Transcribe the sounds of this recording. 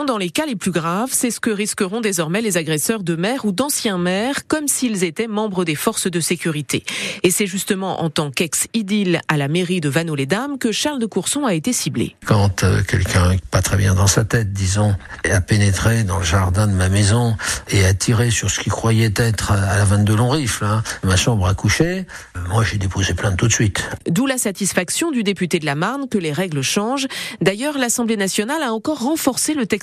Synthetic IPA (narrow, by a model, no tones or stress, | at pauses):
d̪ɑ̃lekaleplyɡʁavsɛsə̥kəʁiskəʁɔ̃d̪ezɔʁmɛlezaɡʁɛsœʁd̪əmɛʁud̪ɑ̃sjɛ̃mɛʁkɔmsilzet̪ɛmɑ̃bʁəd̪efɔʁsd̪əsekʲyʁit̪ḛesɛʒyst̪əmɑ̃ʔɑ̰̃t̪ɑ̃kɛksid̪ilalameʁid̪əvanoled̪amkəʃaʁld̪əkuʁsɔ̃aet̪esiblḛkɑ̃t̪kʲɛ̰lkʲɛ̃pat̪χɛbjɛ̃d̪ɑ̃sat̪ɛt̪̚d̪izɔ̃apenet̪χed̪ɑ̃ləʒaʁd̪ɛ̃d̪əmamɛzɔ̃eat̪ʰiʁesyʁsə̥kʲikχwajɛt̪ɛt̪χalavɛ̃d̪əlɔ̃ʁiflamaʃɑ̃bʁakuʃe | mwaʒed̪epozeplɛ̃d̪ət̪ut̪sɥit̪d̪ulasat̪isfaksjɔ̃d̪yd̪epyt̪ed̪əlamaʁnkəleʁɛɡləʃɑ̃ʒd̪ajœʁlasɑ̃blenasjɔnalaɑ̃kɔʁːɑ̃fɔʁselət̪ɛ